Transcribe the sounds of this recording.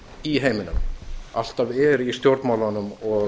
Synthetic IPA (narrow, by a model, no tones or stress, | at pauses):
iɦejmɪnʏ̰ma̰l̥t̪avɛɾist̪jowɾt̪maːwlanʏmɔ